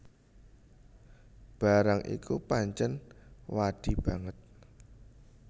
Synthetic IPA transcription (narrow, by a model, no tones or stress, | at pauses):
b̥a̤ɾaŋʔḭkupaɲt͡ʃənwad̥i̤b̥a̤ŋət̪̚